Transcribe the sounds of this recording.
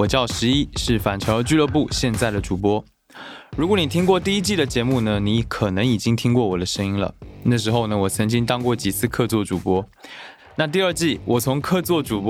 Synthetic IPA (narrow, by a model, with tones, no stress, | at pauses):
wɔ˨˩t͡ɕjɑ˥˩ʊʂɻ̩˧˥i˥ʂɻ̩˥˩fa˨˩nʈ͡ʂʰɑ˧˥ə˧˥t͡ɕy˥˧lɤ˥˧p̬u˥˧ɕjɛ˥˧nt͡sa˥˩ɪd̪ə˩ʈ͡ʂu˨˩pwɔ˥ | ɻu˧˥kwɔ˧˥˦ni˨˩t̪ʰi˥ŋk̬wɔ˥˧t̪i˥˩i˥t͡ɕi˥˩d̪ə˩t͡ɕjɛ˧˥mu˥˩nə˩ni˧˥kʰɤ˨˩nɤ˧˥ŋi˨˩t͡ɕi˥ŋt̪ʰi˥ŋkwɔ˥˩wɔ˨˩d̪ə˦ʂɤ˥ŋi˥ŋlə̰˨na˥˩ʂ̬ɻ̩˧˥xo˥˧ʊnə˩wɔ˨˩t͡sʰɤ˧˥ŋt͡ɕi˥ŋt̪ɑ˥ŋkwɔ˥˩t͡ɕi˨˩t͡sʰɹ̩˥˧kʰɤ˥˧t͡swɔ˥˩ʈ͡ʂu˨˩pwɔ˥ | na˥˧t̪̬i˥˧ə˞˥˧t͡ɕi˥˩wʔɔ˨˩t͡sʰʊ˧˥ŋkʰɤ˥˧t͡swɔ˥˩ʈ͡ʂu˨˩p